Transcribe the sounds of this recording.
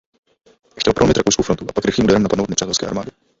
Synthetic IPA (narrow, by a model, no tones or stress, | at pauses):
xcɛlpɾomɪt̪ɾakowskowfɾont̪uʔapakɾɪxliːmudaɾɛmnapadnowd̪nɛpr̝̥aːt̪ɛlskɛːʔa̰ɾmaːdɪ